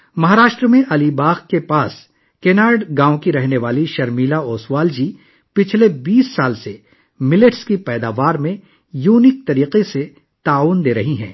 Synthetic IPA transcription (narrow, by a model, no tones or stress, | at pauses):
mɐɦaːɾaːʃʈɾəmẽʔɐlibaːɣkepaːs | keːnaːɖɡãːõkiɾɛɦneʋaːliʃɐɾmiːlaoːswaːld͡ʒi | pɪt͡ʃʰlebiːsːaːlse | mɪleʈskipɛːd̪aːʋaːɾmẽ | juːnɪk̚t̪ɐɾiːqese | t̪aːʋʊnd̪eːɾɐɦiɦɛ̰̃ː